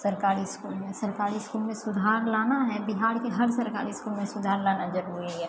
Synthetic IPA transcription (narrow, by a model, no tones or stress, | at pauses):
sɐɾkaːɾiskuːlmẽsɐɾkaːɾiskuːlmẽsʊd̪ʱaːɾlaːnaɦɛbɪɦaːɾkeɦɐɾsɐɾka̰ːɾiskuːlmẽsʊd̪ʱaːɾlanɐd͡ʒəɾɦʊeɦɛ